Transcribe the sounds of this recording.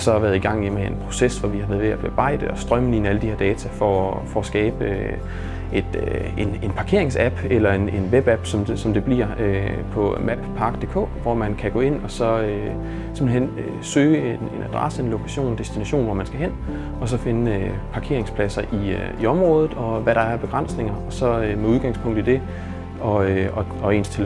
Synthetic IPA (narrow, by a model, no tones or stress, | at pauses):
sɒ̽ʋæɐðˠiɡ̥ɑ̈ŋ̰imeenpʰʁo̝sesʋɒʋihɑ̈ʋeðˠʋeæb̥eb̥ɑ̈ɪ̰d̥əɒ̽sd̥ʁɶməninæləd̥ihe̝ɐ̰d̥ɛːt͡sʰæfɒfɒ̽ːsɡ̥ɛːb̥ə | e̝d̥e̝ne̝npʰɑ̈kʰe̝ɐe̝ŋsæb̥elɐe̝ne̝nʋeb̥æb̥sɒ̽msɒ̽md̥e̝b̥liɐ̰øpʰɒ̽mæb̥pʰɑ̈ɡ̥̚d̥e̝ːkʰɔ̰ːʋɒmænkʰæɡ̥ɔ̰̽ːe̝n̰ɒ̽sɒ̽ø | se̝mn̩ɦen̰ø | søːəene̝nʔæd̥ʁɑ̰səe̝nlo̝kʰæɕo̝̰ːnd̥e̝sd̥inæɕo̝̰ːnʋɒmænsɡ̥æɦen̰ | ɒ̽s̬ɒ̽fe̝nəøpʰɑ̈kʰe̝̰ɐ̰eŋspʰlæsɐʔiiɒ̽mʁɔ̽ːð̞ˠð̩ˠɒ̽ʋæɾɑ̈æɐb̥e̝ɡ̥ʁɑ̈n̰sne̝ŋɐɒ̽sɒ̽meuð̞ˠɡ̥ɑ̈ŋ̰spʰɔ̽ŋ̰d̥̩ˠid̥e̝ | ɒ̽øɒɒ̽e̝̰ːnst͡sʰe̝l